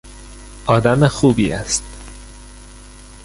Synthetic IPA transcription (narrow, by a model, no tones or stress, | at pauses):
ʔɒːd̪æmexuːbiːæ̰st̪